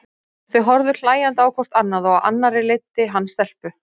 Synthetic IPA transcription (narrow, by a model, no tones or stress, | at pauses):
θœɥɦɔɾðʏɾ̥l̥aːjant̪aːwkʰvɔr̥t̪anːaðɔɣaa̰nːaɾɪlejt̪ːɪɦanːst̪ɛl̥pʏ